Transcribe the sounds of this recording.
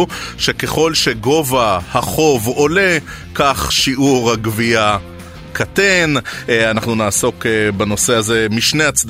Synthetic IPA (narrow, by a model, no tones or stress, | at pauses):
ʃe̞ke̞χo̞lʃe̞ɡo̞vahaχo̞vo̞le̞ | kaχʃiʔuʁhaɡvia | kʰatenanaχnunaːso̞kbano̞se̞aze̞miʃnejat͡sd